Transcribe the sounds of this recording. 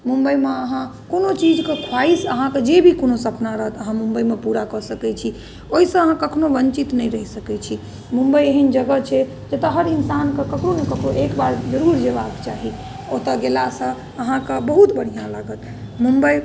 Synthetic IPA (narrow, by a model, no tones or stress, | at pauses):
mumbəimeəɦã | konot͡ʃid͡ʒkekʰwaisəɦãked͡ʒebʱikonosəpnaɾəɦət̪əɦãmumbəimepuɾakəsəkɛt͡ʃʰi | oɦisə̃əɦãkəkʰnoʋənt͡ʃit̪nɛjɾəɦisəkɛt͡ʃʰi | mumbəieɦind͡ʒəɡət͡ʃʰɛ | d͡ʒet̪əɦəɾinsankekəkɾonekəkɾoʔekbaɾd͡ʒəɾuɾd͡ʒebaɡt͡ʃaɦi | ot̪əɡelasə̃ | əɦãkebəɦut̪bəɽ̤ijãlaɡət̪ | mumbəj